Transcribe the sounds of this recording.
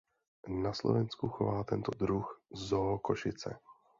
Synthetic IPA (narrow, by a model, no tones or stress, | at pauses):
naslo̰vɛnskuxovaːt̪ɛnt̪od̪ɾuxzoɦkoʃɪt͡sɛ̰